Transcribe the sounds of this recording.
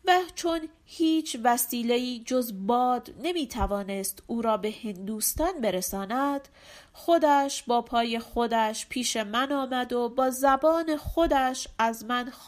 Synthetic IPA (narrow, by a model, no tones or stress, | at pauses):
væt͡ʃʰo̞n | hiːt͡ʃʰvæsiːle̞iːd͡ʒo̞zbɒːd̪ne̞miːt̪ʰævɒːne̞st̪uːɾɒːbe̞hend̪uːst̪ɒnbe̞ɾesɒːnæd̪̥ | xo̞d̪æʃbɒːpʰɒːje̞xo̞d̪æʃpʰiːʃe̞mænɒːmæd̪o̞bɒːzæbɒːne̞xo̞d̪æʃæzmæn